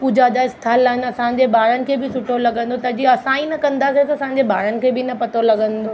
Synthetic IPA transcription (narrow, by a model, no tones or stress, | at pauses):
puːd͡ʑʱad͡ʑaɪst̪ʰaːlːaːɦɪnɪɐsãɲ̆d͡ʑebaːɾənɪ̆kʰeːbɪsʊʈʰolɐɡə̃nd̪ot̪ɐd͡ʑiɐsãːĩnɐkɐ̃nd̪aːsesɐsãːɲ̆d͡ʑeba̰ːɾənɪ̆kʰeːbɪnɐpɐt̪olɐɡə̃nd̪oː